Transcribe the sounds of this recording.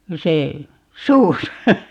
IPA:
se suːsɑ

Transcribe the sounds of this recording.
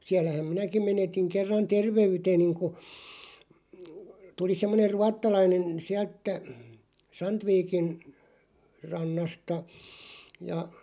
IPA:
siælːæhæm minækim menetiŋ kerːɑn terʋeyteniŋ ku tuli semːoner̆ ruɑtːɑlɑinen siælt tæ sɑntʋiːkin rɑnːɑstɑ jɑ

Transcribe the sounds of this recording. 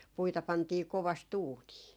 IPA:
puitɑ pɑntiː koʋɑst uːniː

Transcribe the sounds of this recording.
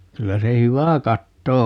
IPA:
kylːæ se hyʋæ kɑtːo

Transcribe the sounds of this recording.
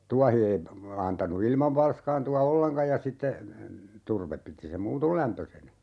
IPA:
tuɑhi ei ɑntɑnu ilmɑʋ ʋɑlskɑːntuɑ olːeŋkɑj jɑ sitːe turʋep piti sem muːtol læmpøsenæ

